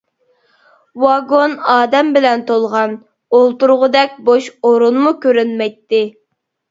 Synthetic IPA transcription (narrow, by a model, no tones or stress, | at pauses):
wɑɡonɑːd̪ɛmbɪlɛnt̪ʰolˠʁɑn | olˠt̪uɾʁʊd̪ɛk̚ʲboʃoɾunmukʲøɾynmɛjt̪ːɪ